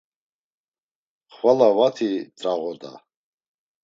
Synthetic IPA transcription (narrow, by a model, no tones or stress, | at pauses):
χwalavat̪ʰit͡sʼraʁɔd̪a̰